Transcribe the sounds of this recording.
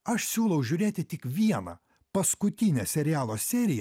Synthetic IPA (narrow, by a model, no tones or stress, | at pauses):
ɐʃsʲuːlˠɐʊʒʲuːɾʲeːt̪ʲɪt̪ʲɪkʋʲiɛnɐ̰ | pɐskʊt̪ʲɪnʲɛsʲɛɾʲɪjæːlˠoːsʲɛːɾʲɪjɛ